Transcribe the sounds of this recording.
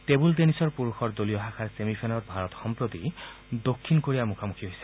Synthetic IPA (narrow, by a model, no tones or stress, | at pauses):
tebuld̪enisɔɹpuɹuxʰɔɹd̪olijɔɦakʰaɹsemipʰenɔɹbʱaɹɔt̪xɔmpɹot̪i | d̪okʰːinkoɹiamukʰamukʰiɦojse̥